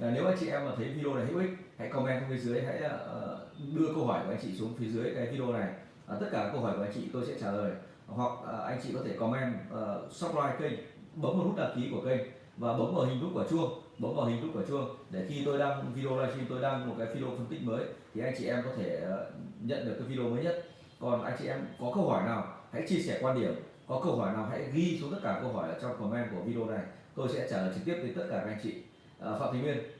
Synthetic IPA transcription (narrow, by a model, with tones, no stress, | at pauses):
ne˨˦wʔa˧jŋt͡ɕḭ˧˨ʔɛ˧məː˨˩t̪ʰə˨˦jvi˧ɗo˧na˨˩jɦḭ˧˥wʔi˦˥k̚ha̰˧˥jkɔ˧mʔɛ˧mt͡ɕŋ͡mfi˨˦zɨ˨˦əjɦa̰˧˥jɗɨ˧əkə˧whɔː˧˩jku˧˩ʔjŋt͡ɕḭ˧˨su˨˦ŋ͡mfi˨˦zɨ˨˦əjkaː˨˦jvi˧ɗo˧na˨˩j | t̪ə˦˥t̚kaː˧˩ka˨˦jkə˧whɦɔ˧˩jka˧ŋt͡ɕḭ˧˨t̪o˧jsɛ̰˧˥t͡ɕaː˧˩ləː˨˩j | ɦwa˨˩k̚ːʔa̰˧jŋ̟t͡ɕḭ˧˨kɔ˨˦t̪ʰe˧˩kɔ˨˦mʔɛ˧mʔəː˨˩sɔ˦˥p̚laː˧jkə˧jŋ̟ɓə˨˦ŋ͡mmo˨˩hu˦˥ɗaː˨˩p̚ki˨˦ku˧˩əkə˧jŋ̟ | vaː˨˩ɓə˨˦wŋ͡mʔəː˧˩hï˨˩ŋ̟fʊ˦˥k͡p̚kːt͡ɕu˧əŋ | ɓə˨˦ŋ͡mʔəː˨˩hɦi˨˩ŋ̟fʊ˦˥k͡p̚kuː˧˩˨t͡ɕu˧əŋɗe˧˩xi˧t̪o˧jɗaː˧ŋvi˧ɗo˧laː˧jfi˧mt̪o˧jɗaː˧ŋmo˨˩kaː˨˦jvi˧o˧fə˧nt̪ï˦˥k̚məː˨˦jt̪ʰi˨˩ʔa˧jŋ̟t͡ɕḭ˧˨ʔɛ˧mkɔ˨˦t̪ʰe˧˩˨ɲə̰˧˨nɗɨ˨˩kːa˨˦jvi˧ɗo˧məː˨˦ɲə˦˥t̚ | kɔ˨˩nʔa˧jŋ̟t͡ɕḭ˧˨ʔɛ˧mkɔ˨˦kə˧whɔː˧˩jnaː˨˩wha̰˧˥jt͡ɕi˧əsɛː˧˩kwaː˧nɗi˧˩əm | kɔ˨˦kə˧wɦɔː˧˩jnaː˨˩wɦa̰˧˥jɣi˧su˨˦t̪ə˦˥t̚kaː˧˩kə˧wɦɔ˧˩jʔəː˧˩t͡ɕɔ˧wŋ͡mko˨˩mɛ˧nku˧˩əvi˧ɗo˧na˨˩j | t̪o˧jsɛ̰˧˥t͡ɕaː˧˩ləː˨˩jt͡ɕɨ˨˩t̪i˦˥əɗə˨˦t̪ə˦˥t̚kaː˧˩a˧˨˧ŋ̟t͡ɕḭ˧˨˩ | fa̰ː˧˨wt̪ʰi˨˦ŋmi˧ən